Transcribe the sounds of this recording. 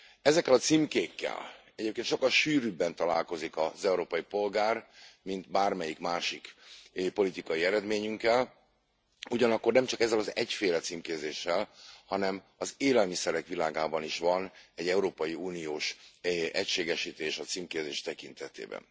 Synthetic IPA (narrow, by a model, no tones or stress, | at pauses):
ɛzɛkːɛlɒt̪simkeːkːɛ̰l | ɛɟeːp̚kenʃo̞kːɒlʃyːɾybɛnt̪ɒla̰ːlko̞zikɒzɛuɾoːpɒjipo̞lɡaːrmint̪baːrmɛjikmaːʃikpo̞lit̪ikɒjiɛɾɛd̪meːɲyŋkːɛl | uɟɒnɒkːo̞rnɛmt͡ʃɒkɛzːɛlɒzɛcfeːlɛt̪siːmkeːzeːʃːɛlhɒnɛm | ɒzeːlɛlmisɛɾɛkʋilaːɡaːbɒniʃʋɒnɛɟɛuɾoːpɒjiuːnioːʃɛcʃeːɡɛʃit̪eːʃɒt̪siːmkeːzeːʃt̪ɛkint̪ɛt̪ḛːbɛ̰n